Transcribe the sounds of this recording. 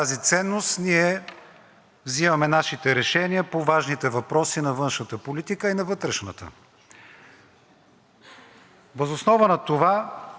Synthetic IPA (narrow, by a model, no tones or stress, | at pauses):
t̪azit̪sɛnːost̪niɛ | vzimɐmɛnaʃit̪ɛɾɛʃɛniəpovaʒnit̪ɛvɐpɾɔsinɐvɤnʃnət̪əpolit̪ikəinɐvɤt̪ɾɛʃnə̰t̪ə̰ | vəzosnɔvənɐt̪ova